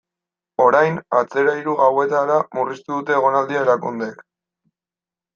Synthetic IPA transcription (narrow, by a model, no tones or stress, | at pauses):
o̞ɾajna̰t͡se̞ɾaiɾuɣawe̞t̪aɾamurist̪uðut̪e̞ːɣ̞o̞nald̪iaeɾakund̪e̞k